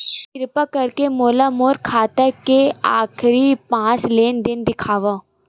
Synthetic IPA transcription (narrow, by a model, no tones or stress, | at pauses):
t̪ɪɾpakɐɾkemoːlamoːɾkʰaːt̪əkeaːkʰɾipãːt͡ʃleːnd̪ɪnd̪ɪkʰaːʋa